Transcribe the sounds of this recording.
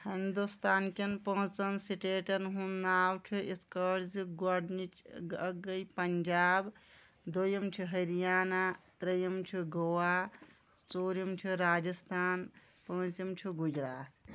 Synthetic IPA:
hind̪ust̪ʰaːnkinpə̃t͡sɐnsiʈeːʈɐnɦunnaːwt͡ʃʰiiskəɾziɡɐɽnit͡ʃɡɐjpɐɲd͡ʒaːb | d̪ojɐmt͡ʃʰiɦɐɾijaːnat̪ɾɐjɐmt͡ʃʰiɡowa | t͡soːɾimt͡ʃʰiɾaːd͡ʒɐst̪ʰaːn | pə̃ɦt͡simt͡ʃʰiɡud͡ʒɾaːt̪

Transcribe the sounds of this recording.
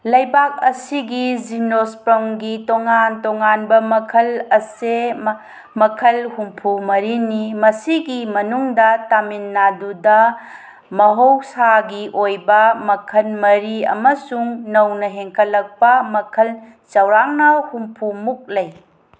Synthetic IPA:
lɐjbak̚ɐsiɡizinospɾɐmɡitoŋantoŋanbɐmɐkʰɐlɐse | mɐkʰɐlhumpʰumɐɾinimɐsiɡimɐnuŋdɐtaminːadudɐ | mɐɦowsaɡiʔojbɐmɐkʰɐlmɐɾiɐ̰mɐsuŋnɐwnɐɦeŋkʰɐlːɐk̚pɐmɐkʰɐl | t͡ʃɐwɾaŋnɐhumpʰumuk̚lɐj

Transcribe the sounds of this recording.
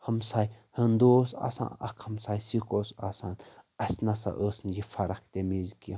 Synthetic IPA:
hɐmsajhənd̪oːsa̰sa̰ːnɐ̰kʰhɐmsaːjsikosasanɐsʲnɐsa̰ʔəːsnjifʰɐɾɐk̚ʰt̪emizki

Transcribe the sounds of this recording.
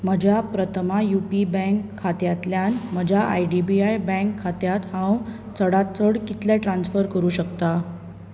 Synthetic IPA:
məd͡ʑʱapɾət̪ʰəmajupibɛ̃ŋkʰːat̪jat̪ljanməd͡ʑʱaʔa̰jɖibiajbə̃kʰːat̪jat̪hãw | t͡səɽat̪t͡səɽkit̪lɛʈɾansfəɾkəɾuːɕəkt̪a

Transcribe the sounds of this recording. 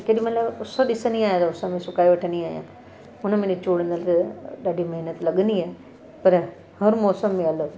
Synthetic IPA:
keɗimɐ̃laːʊsoɗɪsəniaːjat̪ɐʊsamẽsʊkaːiʋɐʈʰə̃niaːijã̰ː | ʊnəmẽnĩt͡ɕuːɽə̃nd̪əlt̪ɐɗaːɖʱimɐɦɪnət̪lɐɠə̃nd̪iaːɦ | pɐɾ | hɐɾmɔːsəmːẽɐləɡ

